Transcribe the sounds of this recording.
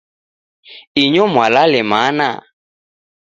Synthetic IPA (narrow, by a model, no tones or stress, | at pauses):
iɲɔmwalalɪmana̰